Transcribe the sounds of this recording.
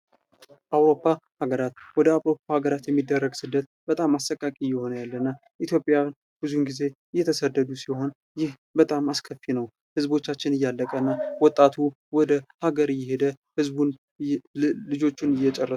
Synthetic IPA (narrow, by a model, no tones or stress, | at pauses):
ʔawɾo̞pʰːahaɡəɾat̪̚wɔd̪əawɾo̞pʰːahaɡəɾat̪jɛmːid̪ːərːəɡsɨd̪ːət̪̚bət̪ʼamasəkʼːakʼijːɛho̞nəjalːənːa | ʔit̪ʰjo̞pʼjan | bɨzunɡize̞ | ɨjːɛt̪ʰəsəd̪ːəd̪usiho̞n | jɪh | bət̪ʼamaskʰəfːinəw | hɨzbo̞t͡ʃːat͡ʃːɪnɨjːalːəkʼənːawɔt̪ʼːat̪ʰu | wɔd̪əhaɡəɾɨjːɛɦed̪ə | hɨzbun | lɨd͡ʒo̞t͡ʃːɪnɨjːɛt͡ʃʼɛrːəs